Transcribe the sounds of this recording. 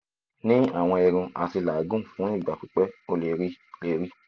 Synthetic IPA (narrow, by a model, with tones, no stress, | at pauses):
nĩ˦a̰˦˨w̃ɔ̃˧e˧ɾũ˧a˨ti˧la˨ɡũ˦˨fũ˨˦i˦˨ɡ͡ba˨k͡pi˨˦k͡pɛ˦o˧le˨ɾi˦le˨ɾi˦